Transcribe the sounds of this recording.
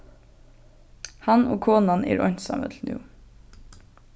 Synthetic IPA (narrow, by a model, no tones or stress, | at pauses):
hɑnoːkʰoːnanɛ̰ːɾʔɔn̥t̪sɑ̰ːmə̰t̪ʰl̩njṵː